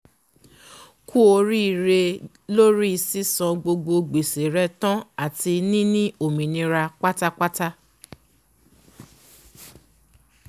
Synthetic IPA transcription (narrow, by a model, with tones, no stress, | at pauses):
kʰu˦o˧ɾi˦i˨ɾe˧ | lo˦ɾi˦i˧si˦sã˧ɡ͡bo˧ɡ͡bo˧ɡ͡be˨se˨ɾɛ˧tã˦a˦˨ti˧nĩ˦nĩ˦ʔo˨mĩ˨nĩ˧ɾa˧k͡pa˦ta˦k͡pa˦ta˦